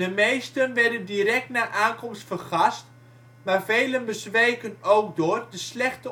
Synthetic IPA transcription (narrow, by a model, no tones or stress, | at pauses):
dəmejstənʋɛrdəndiɾɛk̚tnaːʔaːnkɔmstfərχast | maːrveːlənbəsʋeːkənowkdʊːərdəslɛxtə